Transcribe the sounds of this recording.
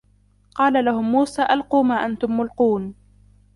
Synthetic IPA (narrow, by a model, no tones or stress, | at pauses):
qɑːlalahʊmːuːsaːʔalquːmaːʔant̪ʊmːʊlquːn